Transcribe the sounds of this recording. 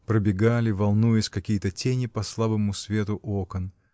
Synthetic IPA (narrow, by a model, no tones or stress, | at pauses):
pɾəbʲɪɡalʲɪvɐlˠnujɪsʲkɐkʲijət̪ətʲenʲɪpɐslˠabəmʊsvʲe̞t̪ʊʔokən